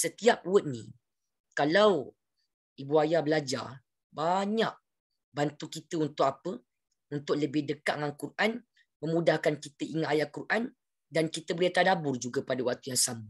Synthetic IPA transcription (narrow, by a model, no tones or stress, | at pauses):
sət̪iap̚wət̪̚nḭ | kalaw | ibuajahbəlad͡ʒa̰r | baɲaʔ̚ | bant̪ukit̪əunt̪ʊk̚apə | unt̪ʊʔləbɪhdəkaʔ̚ŋankuran | mə̃mũdahkankit̪əʔiŋaajakurʔan | dankit̪əbəliat̪adabʊrd͡ʒuɡapadawak̚t̪ujaŋsamə